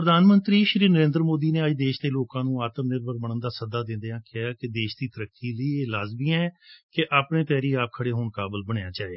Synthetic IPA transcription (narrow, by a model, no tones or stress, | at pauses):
pɾəd̪aːnmənt̪ɾiːʃɾiːnəɾẽːnd̪ɾmoːd̪iːneːəd͡ʒd̪eːʃd̪eːloːkãːnũːaːt̪əmnɪɾbəɾməɳənd̪aːsəd̪aːd̪ɪ̃nd̪eːãːkɪjaːkɪd̪eːʃd̪iːt̪əɾəkːiːləiːeːlaːzbiãːɛ̃ːkeʔaːpɳeːp̪ɛːɾiːaːp̚kʰəɽeːɦoːɳkaːbəlbəɳjãːt͡ʃaːeː